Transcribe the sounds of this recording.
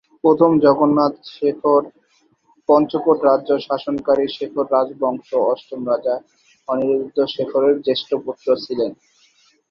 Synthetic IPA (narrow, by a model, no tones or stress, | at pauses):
pɾot̪ʰomd͡ʑɔɡonːat̪ʃekʰoɾ | pɔnt͡ɕokoʈɾadʑoʃaʃonkaɾiʃekʰoɾːad͡ʑbɔŋʃoɔsʈomɾad͡ʑa | ɔniɾobid̪ːoʃekʰoɾeɾd͡ʑeʃʈoput̪ːɾot͡ɕʰilen